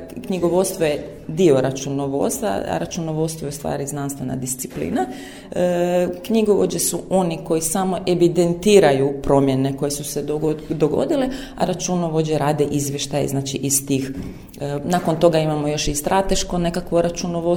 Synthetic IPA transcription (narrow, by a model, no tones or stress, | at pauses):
kɲiɡo̞ʋo̞t̪st̪ʋoje | d̪io̞ɾat͡ʃunoʋo̞̰t̪st̪a̰ɾat͡ʃunoʋo̞t̪st̪ʋoeust̪ʋa̰ːɾiznanst̪ʋe̞na̰d̪ist̪si̥plḭːna | kɲiɡoʋod͡ʑesuo̞niko̞jisamo̞ʔe̞ʋid̪e̞nt̪iːɾajupɾo̞mje̞ne̞ko̞je̞suseod̪o̞ɡo̞̰d̪ile | a̰ɾat͡ʃunoʋod͡ʑeɾaːd̪eʔizʋje̞ʃt̪ajḛznaːt͡ʃiʔist̪iːx | nako̞nt̪o̞ɡaimamo̞jo̞ʃist̪ɾat̪e̞ʃko̞ne̞kakʋoɾat͡ʃunoʋo